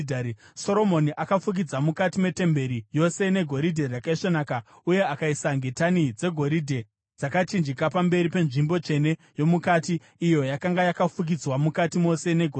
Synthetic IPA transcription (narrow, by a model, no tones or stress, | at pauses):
dso̞ɾo̞mo̞niʔakafuk̬id͡zamukatime̞te̞mbe̞ɾijo̞se̞ne̞ɡʱo̞ɾidʱe̞rakaiʂonaːka | uje̞akaisaŋɡe̞tanid͡ze̞ɡʱo̞ɾidʱe̞ | d͡zakat͡ʃind͡ʒikapambe̞ɾipe̞nʐimbo̞t͡ʃe̞ne̞ | jo̞mukatiː | jo̞jakaŋɡajakafuk̬id͡zwamukatimo̞se̞ne̞ɡʱo